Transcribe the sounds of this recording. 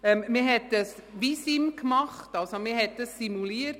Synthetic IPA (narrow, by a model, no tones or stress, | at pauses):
ɛmmɪɦɛtdəsʋisimkmɑχtɑlsomɪhɦɛt̚d̥əsːimuliəɾt